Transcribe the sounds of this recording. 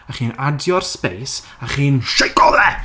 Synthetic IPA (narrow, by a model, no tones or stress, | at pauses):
aχiːnadjɔrspejs | aχiːnʃejkɔlɛ